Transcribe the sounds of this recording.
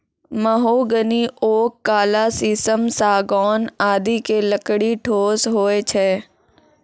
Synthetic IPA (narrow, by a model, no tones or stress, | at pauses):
məɦoːɡəniʔoːkːaːlasisəmsaːɡɔːnaːd̪ikeləkɽiʈʰoːsɦoːet͡ʃʰɛː